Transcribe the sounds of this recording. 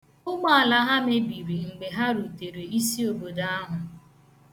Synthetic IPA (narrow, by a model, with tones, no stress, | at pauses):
ʊ˦ɡ͡ba˦a˨la˦ɦa˦me˦bi˨ɾi˨ŋ͡m̩˨ɡ͡be˨ɦa˦ɾu˨te˨ɾe˨i˦si˦o˨bo˨da˦a˦ɦʊ˨